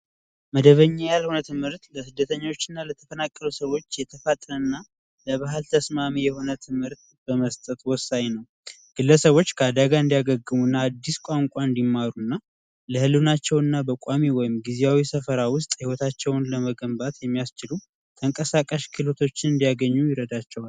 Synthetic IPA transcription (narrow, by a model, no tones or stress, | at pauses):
məd̪əβəɲːajalhonət̪ʰɨmhɨɾt̪ləsɨd̪ːət̪ʰəɲːo̞t͡ʃːɨnːalət̪ʰəfənakʼːəlusəwo̞t͡ʃːjɛt̪ʰəfat̪ʼɾənːa | ləβaɦɨlt̪ʰəsmamijɛhonət̪ʰɨmhɨɾt̪ | b̥əməst̪ʼət̪wɔsːaɲnəw | ɡ̥ɨlːəsəβo̞t͡ʃːkʰəad̪aɡaɨnd̪ijaɡəɡːɨmunːaːd̪ːiskʷʼaŋkʷʼaɨnd̪imːaɾunːa | ləhɨlːunat͡ʃːɛwɨnːabəkʷʼamiwɔjɪmɡizejawisəfəɾawʊst̪ʼhiwɔt̪ʰat͡ʃːɛwnləməɡəmbat̪jɛmːijast͡ʃɪlu | t̪ʰəŋkʼəsakʼəʃkʰɨlot̪ʰo̞t͡ʃːɪnɨnd̪ijaɡəɲːujɪɾəd̪at͡ʃːɛwal